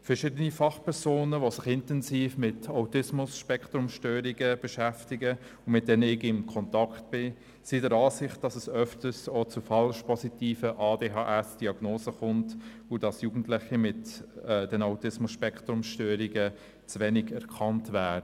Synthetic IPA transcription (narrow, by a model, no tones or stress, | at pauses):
fəɾʃɪdənifɑχpʰɛɾzoːnəʋosɪχɪntɛnsiːfmɪtaʊtɪsmʊsʃpɛkt̪ɾʊmʃtøːɾiɡəb̥ɛʃæftɪɡə | ʊnmɪt̚d̥ɛnɪɡɪmkʰɔntɑkt̚b̥ɪ | sidəɾɑːsɪχt̚d̥ɑsɛsœftəsot͡sʊfɑlʃpɔsitiːfəʔɑːdeːɦɑːʔɛsd̥iɑɡ̥noːsəχʊnt | ʊdɑsjuːɡn̩tlɪχimɪtːdɛnaʊtɪsmʊsʃpɛkχtɾʊmʃtøːɾiɡə | t͡sʋɛnɪɡɛɾkʰɑntvæːdə